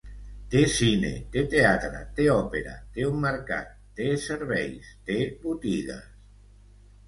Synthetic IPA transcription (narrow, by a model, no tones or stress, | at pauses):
t̪esinḛt̪et̪eat̪ɾa̰t̪eɔpeɾa̰t̪eumːeɾka̰t̪ːeseɾβɛjst̪eβut̪iɣa̰s